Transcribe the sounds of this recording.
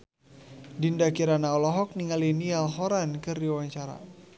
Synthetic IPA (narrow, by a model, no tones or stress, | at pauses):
dindakiɾanaɔlɔɦɔk̚niŋalinialɦɔɾankɨrdiwaɲt͡ʃaɾa̰